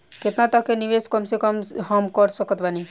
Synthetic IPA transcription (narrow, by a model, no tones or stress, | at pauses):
ket̪nat̪əkeniʋeskəmsekəmɦəmkəɾsəkət̪bani